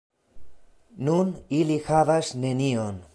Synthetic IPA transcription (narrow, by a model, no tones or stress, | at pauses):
nunilixavasnenion